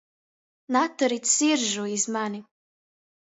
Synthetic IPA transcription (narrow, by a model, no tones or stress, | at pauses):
natʰːaɾitsirʒoizmani